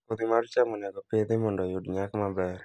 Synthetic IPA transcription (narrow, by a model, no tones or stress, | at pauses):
kod̪imaɾt͡ʃamɔnaɡɔped̪ɪmɔndɔjodɲakmabɛr